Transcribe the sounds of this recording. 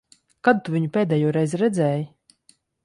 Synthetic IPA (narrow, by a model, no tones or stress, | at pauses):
kad̪̚t̪uviɲupʲeːd̪ɛːjuːɾɛjzɾɛd̪zʲɛːji